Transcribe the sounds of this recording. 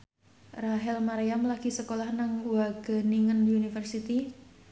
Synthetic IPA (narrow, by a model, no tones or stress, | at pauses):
raɦɛlmaɾiamlaɡ̥isəkolahnaŋwaɡ̥ə̤niŋəndiunifərsit̪i